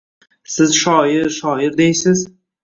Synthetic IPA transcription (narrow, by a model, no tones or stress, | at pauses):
sɪzʃɒjɪɾʃɒjɪɾd̪ejsɪz